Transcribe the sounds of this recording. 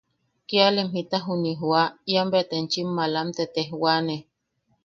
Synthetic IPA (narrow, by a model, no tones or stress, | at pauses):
kialemɦit̪aɦuniɦwajambet̪ent͡ʃimːalamt̪et̪ehwane